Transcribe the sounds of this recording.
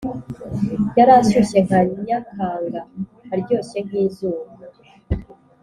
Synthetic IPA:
jaɾasuse̞ŋ̥ajakʰaːŋɡahaɾɟo̞ːse̞ŋ̥hiːzuːβa

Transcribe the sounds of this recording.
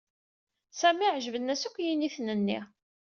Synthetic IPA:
sæmiʕʒəvənːæsækʷːjiniθnənːḭ

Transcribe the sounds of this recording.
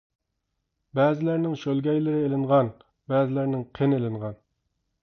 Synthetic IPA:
bɛːzɪlæɾnɪŋʃølɡʲɛjlɪɾɪelɪɴʁɑn | bɛːzɪlæɾnɪŋqʰenelɪɴʁɑn

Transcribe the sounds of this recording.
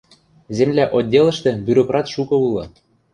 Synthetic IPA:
zemlæʔodʲːelɤ̆ʃt̪ĕbʲyɾokrɑt̪ʃukɤ̆ulɤ̆

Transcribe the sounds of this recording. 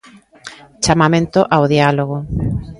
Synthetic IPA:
t͡ʃamamẽnt̪oʔawðialoɣ̞o

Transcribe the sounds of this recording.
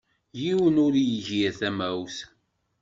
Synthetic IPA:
jiwənʊɾjiʝiθæmæws

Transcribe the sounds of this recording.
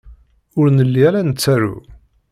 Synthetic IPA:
ʊɾnəlːiæɾænət͡sːæɾṵ

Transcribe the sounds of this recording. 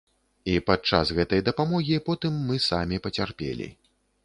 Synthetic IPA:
ipat̪̚t͡ʂa̰sɣɛt̪ɐjd̪ɐpamɔɣʲipɔt̪ɨmːɨsamʲipɐt͡sʲarpʲḛlʲḭ

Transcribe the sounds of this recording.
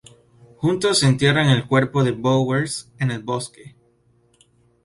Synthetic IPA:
xunt̪osːent̪je̞raŋe̞lkwe̞ɾpo̞ðe̞boweɾsene̞lbo̞ske

